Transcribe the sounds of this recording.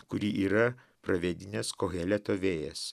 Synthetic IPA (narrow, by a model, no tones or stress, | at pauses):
kʊɾʲiːʔiːɾɐ | pɾɐʋʲeːd̪ʲɪnʲɛskoːɣʲɛːlʲɛt̪oːʋʲeːjɛs